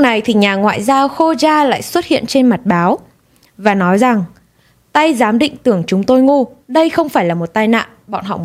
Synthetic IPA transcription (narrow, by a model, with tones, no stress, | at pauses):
na˨˩jt̪ʰi˨˩ɲaː˨˩ŋwa̰ː˧˨jzaː˧wxo˧zaː˧la̰ː˧˨jswə˦˥t̚hḭ˧˨ənt͡ɕe˧nma˨˩t̚ɓaː˨˦w | vaː˨˩nɔ˨˦jza˨˩ŋ | t̪a˧jzaː˨˦mɗḭ̈˧˨ŋ̟t̪ɨ˨˧˩əŋt͡ɕʊ˨˦ŋ͡mt̪o˧jŋu˧ɗə˧jxə˧wŋ͡mfaː˧˩jlaː˨˩mo˨˩t̚t̪aː˧jna̰ː˧˨nɓɔ̰˧˨nɦɔ̰˧˨m